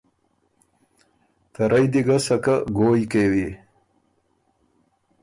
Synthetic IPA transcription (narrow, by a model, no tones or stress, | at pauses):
t̪ɐɾajd̪iɡasɐkaɡoːjkewi